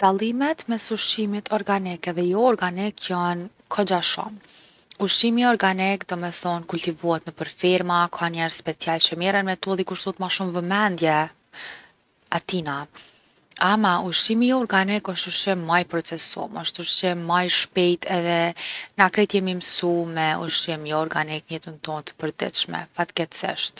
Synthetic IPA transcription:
d̪̥alˠimɛt̪mɛsuʃimit̪ʰɔɾɡanikɛðɛjɔɔɾɡanikʰjan | kʰɔd͡ʒaʃɔ̰m | uʃimiɔɾɡanikd̪ɔmɛθɔnkulʲt̪ivuat̪nəpəɾfiɾmakʰanɛɾspɛt͡sialt͡ʃəmɛɾɛnmɛt̪ɔðikuʃt̪ut̪maʃumvəmɛnd̪jɛ | at̪ina | amauʃimiɔɾɡanikɔʃt̪uʃt͡ʃɛmajpɾɔt͡sɛsɔ̰mɔʃt̪uʃt͡ʃɛmajʃpɛjt̪ɛðɛnakɾɛt̪jɛmimsumɛuʃimiɔɾɡaniknɛt̪ənt̪ɔnt̪ə̥pəɾd̪ɛ̰t̪ʃmɛ̰fat̪ɡɛt̪sḭʃt̪

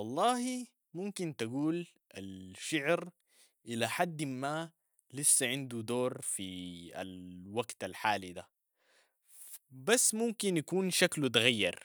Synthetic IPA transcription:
wɑlˤːɑːhi | mʊmkint̪aɡuːl | ʔalʃɪʕɾ | ʔɪlaħad̪ːmːa | lisːaʕɪnd̪ud̪oːɾˤfia̰lwaɡt̪alħaːlid̪a | basːmʊmkinjakuːnʃaklut̪ɣajːɑ̰ɾˤ

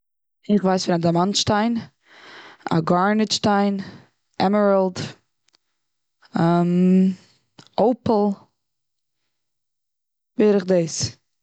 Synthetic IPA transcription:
ɪχvaɪsfɪɾadamanʃtaɪn | a̰ɡaɹnɪʃtaɪn | ɛməɹəlˠd | am | oʊpl̩ˠ | beɾɪχdɪːs

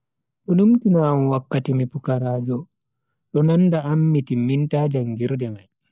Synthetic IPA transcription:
ɗɔnumtinamwakːatimipukaɾaːd͡ʒɔ | ɗɔnanːdaamːitimintaːd͡ʒaŋɡiɾdɛmaj

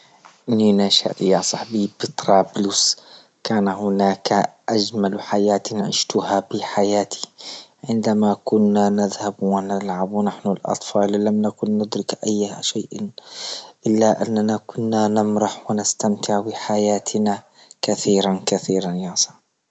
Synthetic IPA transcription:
ʔɪnːinaʃa̰ʔjɑːsˤɑħbibɪt̪ɾˤɑːblʊs | kaːnahʊnaːkʔad͡ʒmalħajaːt̪nʕɪ̰ʃt̪ʊhabiħajaːt̪ʰi̥ʕɪnd̪amakʊnːanɪðhabwɪnɪlʕabwnaħnʊlʔɑ̰t̪ˤfɑːllamnakʊnːʊd̪ɾɪkʔajːʃaːʔ | ʔɪlːaʔanːanakʊnːanɪmɾɑħwɪnɪst̪amt̪ʰɪʕbɪħajaːt̪ʰna | kaθiːɾankaθiːɾanjɑːsˤɑ̥ħ

